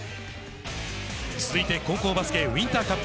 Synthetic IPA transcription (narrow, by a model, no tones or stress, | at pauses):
t͡sɨzɨit̪e̞ko̞ːko̞ːbasɨ̥ke̞wĩnt̪aːkap